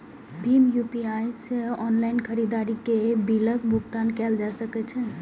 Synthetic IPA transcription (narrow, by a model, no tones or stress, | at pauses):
bʱimjupiajsəɔnlajnkʰəɾid̪aɾikebiləkbʱuk̚t̪ankɛld͡ʒasəkɛt͡ʃʰə